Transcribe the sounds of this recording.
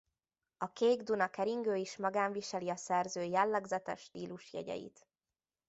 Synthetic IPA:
ɒkeːɡd̪unɒkɛɾiŋɡøːiʃmɒɡaːɱviʃɛliɒsɛrzøːjɛlːɛɡzɛt̪ɛ̰ʃt̪iːluʃjɛ̰ɟɛ̰jḭt̪

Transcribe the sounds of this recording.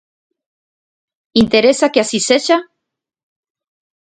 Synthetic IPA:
int̪eɾesakeasiseʃa

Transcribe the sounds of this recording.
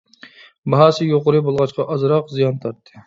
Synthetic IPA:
bɑɦɑːsɨjoqʊɾɨbolˠʁɑt͡ʃqʰɑʔɑzɾɑqzijɑnt̪ʰɑɾt̪ʰːɨ̥

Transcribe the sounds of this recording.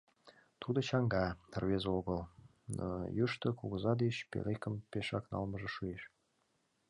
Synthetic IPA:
t̪ud̪ɤ̆t͡ɕɑŋɡɑə̆rβezoɣə̆lˠ | n̰jyʃt̪ɤ̆kuɣɤ̆zɑd̪eɕpʲḛlʲekə̆mpeʃɑknɑ̰lˠmɤ̆ʒə̆ʃueʃ

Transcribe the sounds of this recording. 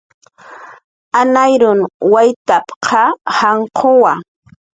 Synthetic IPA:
anajɾʊnwajt̪apqʰɑhaɴqʰowa

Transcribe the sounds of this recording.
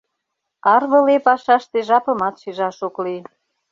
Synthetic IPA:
ɑrβə̆lepɑʃɑʃt̪eʒɑpɤ̆mɑt̪ʃiʒɑʃokli

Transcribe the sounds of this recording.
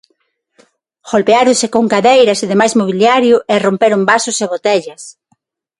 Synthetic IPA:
ɣolpeaɾʊsekoŋkaðejɾɐseðemajzmoβ̞iljaɾjʊʔerompeɾʊmbasʊseβot̪eʎɐs

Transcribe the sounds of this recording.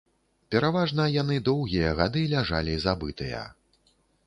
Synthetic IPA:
pʲɛɾavaʐnɐjan̪ɨd̪ɔwɣʲijɐɣad̪ɨlʲaʐa̰lʲizabɨt̪ɨjɐ̰

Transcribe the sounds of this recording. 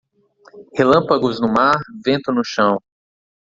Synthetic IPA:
helɐ̃paɡʊznʊmaɾvẽnt̪ʊnʊʃɐ̃w̃

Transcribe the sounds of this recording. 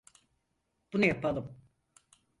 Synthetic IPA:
b̥unajapʰalˠɯm

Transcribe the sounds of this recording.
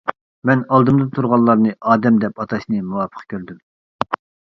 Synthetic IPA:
mɛnɑlˠd̪ɨmd̪ɨnt̪ʰuɾʁɑlːˠɑɾnɨʔɑːd̪ɛmd̪ɛpɑt̪ʰɑʃnɨmuwɑːpʰə̥qʰkʲʰøɾd̪ym

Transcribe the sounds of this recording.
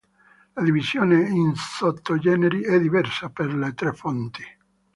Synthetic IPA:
lad̪ivizjoːneinsot̪ːod͡ʒɛːneɾiɛd̪ːivɛrsaperlet̪ɾefont̪i̥

